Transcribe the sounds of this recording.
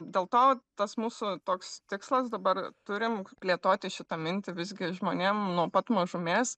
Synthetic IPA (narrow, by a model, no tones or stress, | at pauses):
d̪ʲeːlˠt̪oːt̪ɐsmuːsʊt̪oːkst̪ʲɪkslˠɐsd̪ɐbɐrt̪ʊɾʲɪmpʲlʲeːt̪oːt̪ʲɪʃʲɪt̪ɐmʲɪnʲt̪ʲɪʋʲɪzʲɡʲɪʒmoːnʲeːmnuɔpɐt̪mɐʒʊmʲeːs